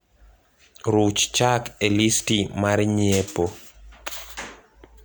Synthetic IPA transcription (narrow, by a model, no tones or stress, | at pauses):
ɾut͡ʃt͡ʃakelistimaɾɲiepo